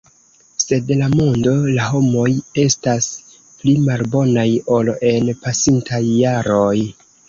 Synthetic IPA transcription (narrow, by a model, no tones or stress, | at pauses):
se̞dlamondo̞laɦo̞mo̞je̞stas | plimalbo̞najo̞lo̞ʔe̞npasintʰajːaɾo̞j